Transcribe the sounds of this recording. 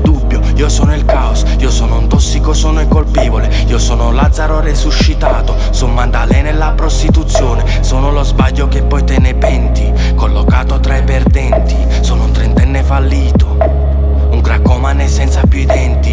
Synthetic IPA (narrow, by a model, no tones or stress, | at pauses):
d̪ubːjo | iːosɔːnʊilkaos | iːosoːnount̪ɔsːikosoːnoɛkːolpiːvole | iːosoːnolad̪zːaɾoresuʃːit̪aːt̪o | sonmand̪alɛnelːapɾost̪it̪ut̪sːjoːne | soːnʊlozbaʎːok̟epːɔjt̪ɛːnepɛnt̪i | kolːokaːt̪ot̪ɾaipɛrd̪ɛnt̪i | soːnount̪ɾɛnt̪ɛnːefalːiːt̪o | uŋɡɾakːomanɛsɛnt̪sapjuid̪ɛnt̪i